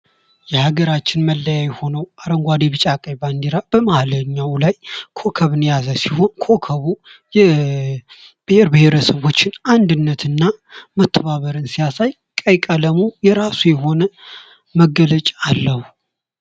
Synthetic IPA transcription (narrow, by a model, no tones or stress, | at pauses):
jɛhaɡəɾat͡ʃːɪnməlːəjajɛho̞nəwʔaɾəŋɡʷad̪eβɨt͡ʃʼakʼəjband̪iɾab̥əmahləɲːawlajkʰo̞kʰəβɨnjazəsiho̞nkʰo̞kʰəβujɛ | b̥ɨheɾbɨheɾəsəβo̞t͡ʃːɪnand̪ɨnːət̪ʰɨnːamət̪ʰːəβaβəɾɨnsijasaj | kʼəjkʼələmujɛɾasujɛɦo̞nə | məɡələt͡ʃʼaːlːəhu